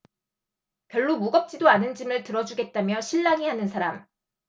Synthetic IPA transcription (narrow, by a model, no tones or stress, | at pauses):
kjʌ̹ɭːomuɡʌp̚t͡ɕ͈idoanɯnd͡ʑimɯɭtɯɾʌd͡ʑuɡe̞t̚t͈amjʌɕʰiɭːaŋiɦanɯnsʰaɾam